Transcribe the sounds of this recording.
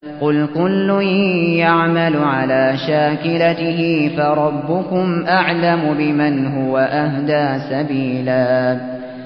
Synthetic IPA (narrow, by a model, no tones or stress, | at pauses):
qʊlkʊlːʊjaʕmalʊʕalaːʃaːkɪlat̪ɪɦɪfaɾˤɑbːʊkʊmʔaʕlamʊbɪmanɦʊwaʔahd̪aːsabiːlaː